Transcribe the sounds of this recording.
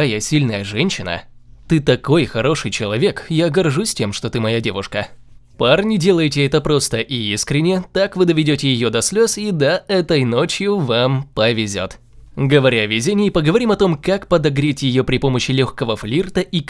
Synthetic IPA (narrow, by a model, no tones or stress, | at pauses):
ajasʲilʲnəjəʐɛnʲɕːɪnə̰t̪ɨt̪ɐko̞jxɐɾo̞ʂɨjt͡ɕɪlˠɐvʲe̞kjaɡɐrʐusʲtʲe̞mʂt̪o̞t̪ɨmɐjadʲe̞vʊʂkəparnʲɪdʲe̞lˠəjɪtʲɪɛt̪əpɾost̪əʔiiskɾʲɪnʲːɪt̪akvɨd̪əvʲɪdʲotʲɪjɪjod̪ɐsʲlʲo̞sid̪ɐɛt̪əjno̞t͡ɕjʊvampəvʲɪzʲo̰t̪ | ɡəvɐɾʲaɐvʲɪzʲenʲɪːpəɡəvɐɾʲimɐt̪o̞mkakpəd̪ɐɡɾʲetʲjɪjopɾʲɪpo̞məɕːɪlʲoxkəvəflʲirt̪əʔi